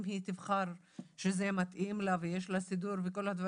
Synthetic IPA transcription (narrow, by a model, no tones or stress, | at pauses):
mɦit̪ivχaɾ | ʃezemat̪ʔimlavejeʃlasid̪uɾveko̞lhad̪va